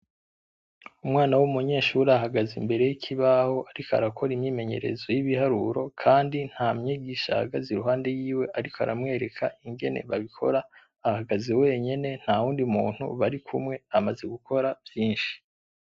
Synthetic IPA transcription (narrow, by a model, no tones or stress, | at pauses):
umŋaːnawumuɲe̞ːʃuɾaɦaɡazimbe̞ɾe̞jikʰiβaho̞ʔaɾika̰ɾakʰo̞ɾimɲiːme̞ɲeɾe̞̰zo̞jiβihaɾuɾo̞kʰaːndin̥hamɲiɡiʃa̰ɡaziɾuɦaːnde̞jiːwe̞ʔaɾikoa̰ɾa̰mŋe̞ːɾe̞kʰaiŋɡe̞ne̞̰βaβikʰo̞̰ɾaː | haɡazewe̞ːɲe̞ne̞n̥hawuːndiumṵːn̥hṵβaɾikʰumŋe̞amaze̞ɡukʰo̞ɾavjiːnʃi̥